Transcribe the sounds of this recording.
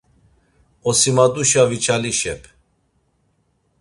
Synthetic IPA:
ɔsimad̪uʃavit͡ʃʰaliʃɛpʰ

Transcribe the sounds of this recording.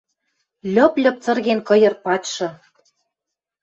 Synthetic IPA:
lʲɤ̆plʲɤ̆p̚t͡sɤ̆rɣenkɤ̆jɤ̆rpɑtʃɤ̆

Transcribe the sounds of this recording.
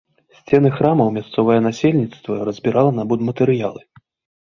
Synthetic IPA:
sʲt͡sʲɛnɨxɾamɐwmʲast̪sɔvɐjɛnasʲelʲnʲit̪st̪vɐrɐzʲbʲiɾalˠɐnɐbud̪mɐt̪ɨɾɨjalˠɨ

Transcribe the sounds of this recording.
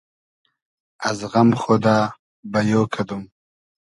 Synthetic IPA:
ɐzɣɐmxoːd̪aː | bɐjoːkʰɐd̪um

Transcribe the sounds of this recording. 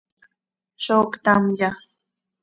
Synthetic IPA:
ʃokt̪amja

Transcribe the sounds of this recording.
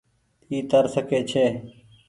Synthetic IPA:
iːt̪əɾsəkeːt͡ʃʰeː

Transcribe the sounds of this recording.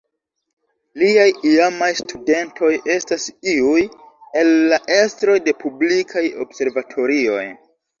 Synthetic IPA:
liajiamajstʰude̞ntʰo̞je̞stasiuj | e̞lːaʔe̞stɾo̞jde̞pʰublikʰajo̞̰bse̞ɾvatʰo̞ɾio̞̰j

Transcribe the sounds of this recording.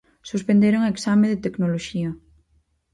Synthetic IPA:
suspẽnd̪eɾoŋaeksameðet̪eknoloʃiɐ

